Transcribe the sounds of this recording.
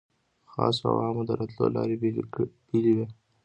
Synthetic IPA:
xɑsa̰wɑmod̪əɾʔat̪lolɑɾeb̥iliwe

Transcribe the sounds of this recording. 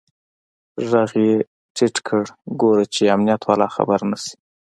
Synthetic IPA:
ʐaɣje | ʈʰiʈkʰəɽɡoɾat͡ʃeamnijat̪wɑlɑ̰xa̰baɾnasi̥

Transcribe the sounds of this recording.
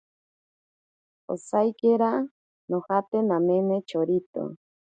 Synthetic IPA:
o̰sajkeɾa | nohat̪enamenet͡ʃoɾit̪o̰

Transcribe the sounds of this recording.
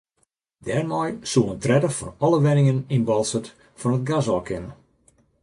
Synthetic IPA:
dɛrmɔjsuəntrɛdəfɔnɔləʋɛnɪŋəninbɔlˠsət | fɔnət̚ɡasɔkʰɪnən

